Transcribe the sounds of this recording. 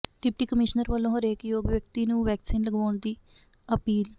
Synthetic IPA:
ɖɪp̚ʈiːkəmɪʃnəɾʋəlːõːɦoɾeːkjoːɡʋjək̚t̪iːnũːʋɛːksiːnləɡʋaːɳd̪iː | əpiːl

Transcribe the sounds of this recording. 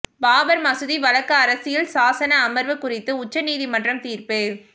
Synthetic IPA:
baːʋɐɾmɐsɯðiʋɐlɐkːɐːɾɐsɪjɪlsaːsɐnɐːmɐɾʋɯkʊrɪt̪ːɯʊt͡ʃːɐniːðimɐndrɐmt̪iːɾpɯ

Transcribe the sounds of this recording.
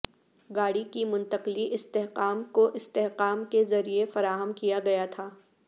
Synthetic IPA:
ɡaːɽikimʊ̃nt̪əqliʔɪst̪eɦqaːmkoʔɪst̪eɦqaːmkezɐɾiefɐɾaːɦəmkijaɡɐjat̪ʰaː

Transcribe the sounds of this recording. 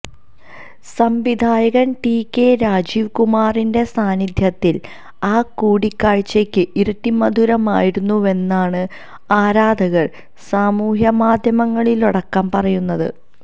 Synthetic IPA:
sɐmʋid̪ʱaːjɐɣɐnʈiːkːe̞ɾaːd͡ʑiːʋkumaːrinde̞saːnid̪ʱjɐt̪ːil | aːkuːɽikːaːɻt͡ɕːekʲːɨʔiɾɐtːimɐd̪ʱuɾɐma̰ːjiɾunːue̞nːaːɳɨ | aːɾaːd̪ʱɐɣɐɭ | saːmuːɦjɐmaːd̪ʱjɐmɐŋːɐɭiluɽɐkːɐmpɐrɐjunːɐðɨ̰

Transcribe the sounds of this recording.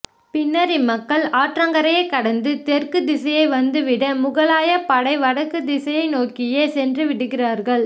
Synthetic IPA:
pɪnːɐɾɪmɐkːɐɭaːʈrɐŋɡɐɾɐjɐɪkːɐɽɐnd̪ɯt̪ɛrkɯd̪ɪsɐjɐɪʋɐnd̪ɯʋɪɽɐmʊɣɐɭaːjɐpɐɽɐɪʋɐɽɐkːɯd̪ɪsɐjɐɪnoːkɪjesɛndrɯʋɪɽɯɣɪraːɾɣɐɭ

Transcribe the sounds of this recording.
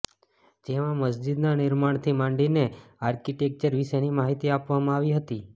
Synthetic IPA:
d͡ʒeʋãməsd͡ʒid̪nanɪɾmaɳ̃t̪ʰimãɳɖineaɾkiʈek̚t͡ʃəɾʋiʃenimaɦit̪iapʋamãaʋiɦət̪i

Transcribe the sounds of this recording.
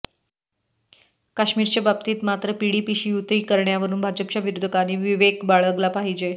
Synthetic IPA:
kaɕmiːɾt͡ɕjababt̪iːt̪mat̪ɾəpiɽipiɕijut̪ɾiːkəɾɳjaʋəɾuːnbʱad͡ʑəp̚t͡ɕjaʋiɾud̪ʱəkaniːʋiʋekbaɭəɡlapaɦid͡ʑe

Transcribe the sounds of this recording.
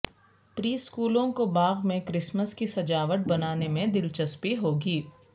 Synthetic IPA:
pɾiːskuːlõkobaːɣmẽkɾɪsməskisɐd͡ʒaːʋəʈ̚bɐnaːnemẽd̪ɪlt͡ʃəspiɦoːɡiː

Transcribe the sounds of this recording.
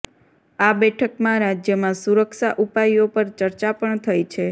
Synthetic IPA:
abɛʈʰəkmãɾad͡ʒjəmãsuɾəkʃaʔupajopəɾt͡ʃəɾt͡ʃapəɳt̪ʰəjt͡ʃʰe

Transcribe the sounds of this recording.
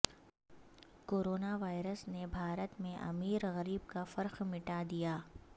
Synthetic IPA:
koːɾoːnaʋaːɪɾəsnebʱaːɾət̪mẽʔɐ̰miːɾɣɐɾiːb̚kafɐɾxmɪʈad̪ijaː

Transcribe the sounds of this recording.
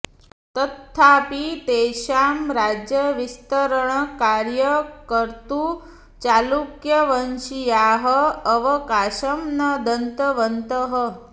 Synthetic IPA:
t̪ɐt̪ʰːaːpit̪eːʃaːmɾaːd͡ʒjəʋist̪əɾəɳ̃ɐkaːɾjəkəɾt̪u | t͡ʃaːlukjɐʋɐnt͡ʃijaːɦəːʋɐkaːʃɐmnɐd̪ɐnt̪əʋənt̪əɦə

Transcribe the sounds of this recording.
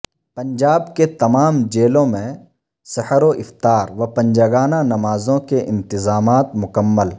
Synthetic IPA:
pɐ̃nd͡ʒaːbket̪ɐmaːmd͡ʒeːlõmẽ | sɐhɾoʔɪft̪aːɾʋɐpɐ̃nd͡ʒaɡaːnanɐmaːzõkeʔɪ̰̃nt̪ɪzaːmaːt̪mʊkəmːəl

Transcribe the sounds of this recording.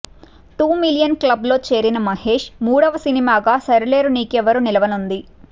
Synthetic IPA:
ʈuːmilijɐnklɐblo̞ːt͡ʃe̞ːɾinɐmɐɦe̞ːʂmuːɽɐʋɐsinimaːɡaːsɐɾile̞ːɾuniːkɛʋɐɾunilɐʋɐnund̪i

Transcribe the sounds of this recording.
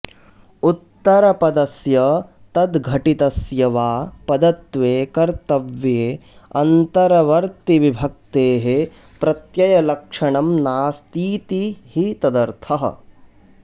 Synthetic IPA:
ut̪ːɐɾɐpɐd̪ɐsjɐ | t̪ɐd̪ɡʱɐʈit̪ɐsjɐʋaːpɐd̪ɐt̪ʋeːkɐɾt̪ɐʋjeː | ɐ̰nt̪ɐɾɐʋɐɾt̪iʋibʱɐk̚t̪eːɦe | pɾɐt̪jɐjɐlɐkʂɐɳɐmnaːst̪iːt̪ihit̪ɐd̪ɐɾt̪ʰɐɦɐ̰

